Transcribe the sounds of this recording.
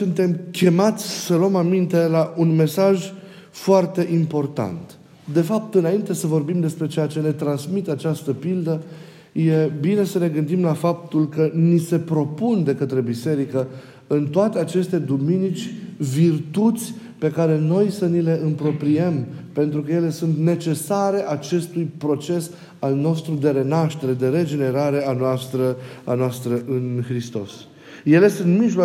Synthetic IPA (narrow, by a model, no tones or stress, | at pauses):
sunt̪e̞mkʲe̞mat̪sʲsəluəmamint̪e̞laʔunme̞saʒ | foart̪e̞ʔimpo̞rt̪a̰nt̪ | d̪e̞fap̚t̪ɨnaint̪e̞səvo̞rbimd̪e̞spɾe̞t͡ʃe̞jat͡ʃe̞ne̞t̪ɾansmit̪at͡ʃast̪əpild̪ə | je̞bine̞səne̞ɡɨnd̪imlafap̚t̪ulkənise̞pɾo̞pund̪e̞kət̪ɾe̞bise̞ɾikə | ɨnt̪oat̪e̞at͡ʃe̞st̪e̞d̪uminit͡ʃʲvirt̪ut̪sʲ | pe̞kaɾe̞no̞jsənile̞ʔɨmpɾo̞pɾiempe̞nt̪ɾukəje̞le̞sunt̪ne̞t͡ʃe̞saɾe̞ʔat͡ʃe̞st̪ujpɾo̞t͡ʃe̞s | alno̞st̪ɾud̪e̞ɾe̞naʃt̪e̞ɾe̞d̪e̞ɾe̞d͡ʒe̞ne̞ɾaɾe̞anoast̪ɾəa̰noast̪ɾəʔɨnxɾist̪o̞s | je̞le̞sunt̪miʒla